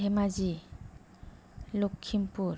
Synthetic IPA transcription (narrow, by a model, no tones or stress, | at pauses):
emazi | lokʰːimpuɾ